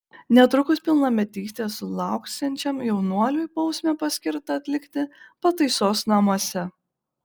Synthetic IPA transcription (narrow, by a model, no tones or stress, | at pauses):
nʲɛt̪ɾʊkʊspʲɪlˠnɐmʲɛt̪ʲiːsʲt̪ʲeːsʊlˠɑˑʊksʲɛnʲt͡ʃʲɛmjɛʊnuɔlʲujpɔʊsʲmʲɛpɐsʲkʲɪɾt̪ɐɐt̪ʲlʲɪkt̪ʲɪpɐt̪ɐɪsoːsnɐmuɔsʲɛ